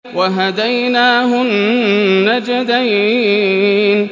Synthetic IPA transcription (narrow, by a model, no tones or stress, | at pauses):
waɦad̪ajnaːɦʊnnːad͡ʒad̪aj | n